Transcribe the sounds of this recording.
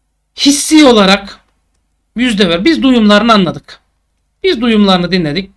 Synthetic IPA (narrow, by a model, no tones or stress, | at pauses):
hisːijo̞lˠaɾak | jyzd̪ɛvæɾbizd̪ujumlˠaɾɯnɯanlˠad̪ɯk | b̥izd̪ujumlˠaɾɯnɯd̪inlʲed̪ic̚